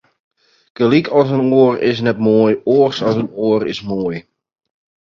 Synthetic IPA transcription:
kəlikʰɔs̬ənoərɪ̰s̬nɛt̚moːjoːrsɔsənoːərɪ̰smoːj

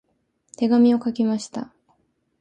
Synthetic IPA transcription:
t̪e̞ɡamʲio̞kakʲimaɕi̥t̪a

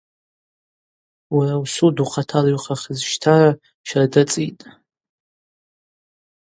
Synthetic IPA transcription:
warawsuduqʰatʰalaɥχʰaχʲəzʃtʰara | ʃaradat͡sʼitʼ

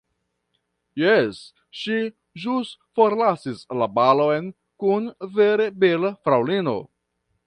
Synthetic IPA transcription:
jes | ʃi | ʒusfo̞ɾlasislabalo̞jn | kunve̞ɾe̞belafɾawlino̞̰

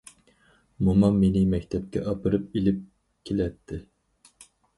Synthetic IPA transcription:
mumɑmːenɪmɛkʲt̪ʰɛp̚kʲɛ̰ʔɑpɨɾɨp̚ilɪp̚ | kʲʰelɛt̪ʰːɪ

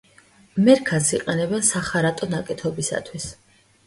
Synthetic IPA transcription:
mɛɾkʰansiqʼɛnɛbɛnsaχaɾat̪ʼɔnakʼɛt̪ʰɔbisa̰t̪ʰwis

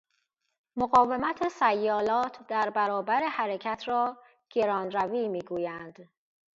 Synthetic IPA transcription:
moɣɒːve̞mæt̪ʰesæjːɒːlɒːt̪ʰd̪æɾbæɾɒːbæɾehæɾecʰæt̪ʰɾɒː | ɡ̥e̞ɾɒːnɾæviːmiːɡuːjænd̪̥

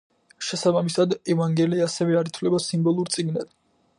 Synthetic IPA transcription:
ʃɛsabamisad̪ɛvaŋɡɛliasɛvɛaɾit̪ʰwlɛbasimbɔlˠuɾt̪sʼiɡnad̪̥

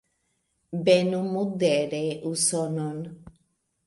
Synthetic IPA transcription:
benumud̪eɾeʔusɔnɔn

